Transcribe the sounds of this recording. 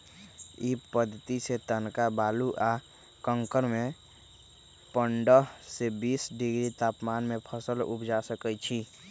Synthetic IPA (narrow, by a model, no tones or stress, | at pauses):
ipəd̪ʱːt̪iset̪ənkabaːluʔa | kə̃ŋkəɾmẽ | pəɳɖəsebiːsɖɪɡɾit̪aːpmaːnmẽpʰəsəlʊ̰pʰd͡ʒasəkət͡ʃʰi